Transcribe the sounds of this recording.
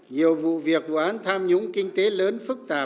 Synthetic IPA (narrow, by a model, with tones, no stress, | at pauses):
ɲi˨˩əwvṵ˧˨vi˨˩ək̚vu˧˨ʔaː˨˦nt̪ʰaː˧mɲʊ˨˧˥ŋ͡mkï˧ŋ̟t̪e˨˦ləː˨˦nfɨ˦˥k̚t̪aː˨˩